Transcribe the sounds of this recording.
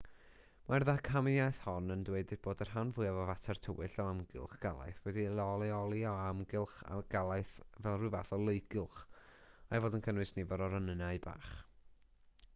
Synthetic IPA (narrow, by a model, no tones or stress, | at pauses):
mʔarðakʰamiajθhɔnəndweɨdɪd̚b̥oːdər̥ɦanvʊːɨavɔvatʰɛrtʰəwɪɬɔamɡɪ̰lˠχɡ̥a̰lˠa̰jθwɛdilˠɔlˠiɔlˠiaɔamɡɪlˠχa̰ɡ̥alˠaɨθvɛlˠrɨvaθɔlˠejɡɪlˠχ | ajvoːdənkʰənwɨsnivɔɾɔɾanənaɨba̰ːχ